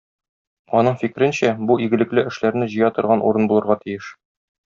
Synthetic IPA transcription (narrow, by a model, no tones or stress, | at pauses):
ɒnɤɴfikɾɘ̆nɕæbuʔiɡɘ̆lɘ̆klɘɘ̆ʃlæɾnɘʑɤ̆jɑt̪ŏɾʁɑnʔṵɾɤnbulˠɤ̆ɾʁɑt̪ijɘʃ